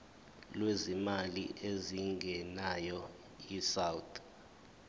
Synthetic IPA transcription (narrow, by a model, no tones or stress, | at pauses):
lwezimalḭʔeziŋɡʱɛnajɔ | isawutʰʼ